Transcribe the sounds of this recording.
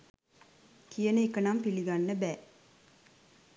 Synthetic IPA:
kijənəikənampiliɡanːəbæː

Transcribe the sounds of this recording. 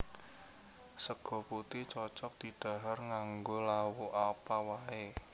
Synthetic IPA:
səɡ̥ɔ̤put̪it͡ʃɔt͡ʃɔk̚d̪̥i̤ɖ̥ä̤ɦarŋaŋɡolawoʔapawae

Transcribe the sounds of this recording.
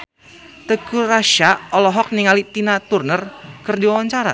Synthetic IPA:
t̪əkuraʃaʔɔlɔɦɔk̚niŋalit̪inat̪urnərkɨrdiwawaɲt͡ʃaɾa̰

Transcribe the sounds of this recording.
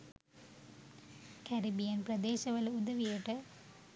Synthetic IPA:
kɐɾibijɐnprɐd̪eːɕɐʋɐlɐud̪ɐʋijeʈːɐ

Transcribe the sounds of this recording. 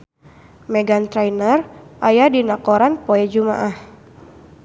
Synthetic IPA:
mɛɡant̪ɾajnərʔajadinakɔɾanpɔɛd͡ʒuma̰ʔah

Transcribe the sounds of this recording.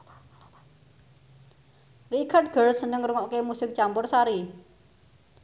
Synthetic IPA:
rikʰard̚ɡ̥ərsənəŋruŋɔʔkemusɪk̚t͡ʃampʊrsaɾi

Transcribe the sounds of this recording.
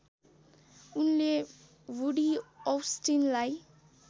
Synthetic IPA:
unle | wuɽiɔwsʈinlaj

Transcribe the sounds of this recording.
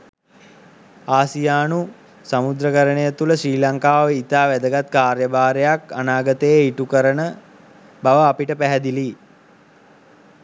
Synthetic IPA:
aːsijaːnu | samud̪ɾəkəɾənejət̪uləsɾiːlaŋkaːʋəit̪aːʋæd̪əɡat̪kaːrjəbaːɾejakanaːɡət̪əeiʈukəɾənə | baʋəapiʈəpæɦɛd̪ili

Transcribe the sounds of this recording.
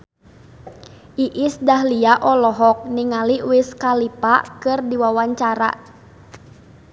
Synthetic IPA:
ʔiʔisdaɦliaʔɔlɔɦɔk̚niŋaliwɪskalipa̰kɨrdiwawaɲt͡ʃaɾa̰

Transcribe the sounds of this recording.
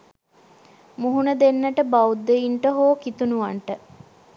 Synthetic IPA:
muɦunəd̪enːəʈəbawud̪ːeiɳʈəɦoːkit̪unuʋaɳʈə

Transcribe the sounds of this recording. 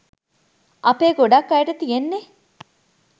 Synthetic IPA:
ʔɐpeːɡoɖɐkːɐjeʈɐt̪ijenːe

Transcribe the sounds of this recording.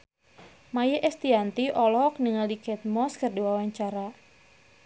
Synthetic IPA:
majeʔɛst̪iant̪iʔɔlɔk̚niŋaldikɛt̪̚mɔskərdiwawaɲt͡ʃaɾa

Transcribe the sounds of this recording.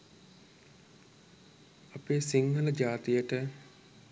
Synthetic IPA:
apeːsiŋɦələd͡ʒaːt̪ijəʈə

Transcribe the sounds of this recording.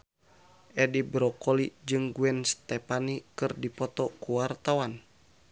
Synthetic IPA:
ʔɛdibɾɔkɔlid͡ʒɨŋɡuɛnst̪ɛpanikɨrdipɔt̪ɔkuwart̪awan

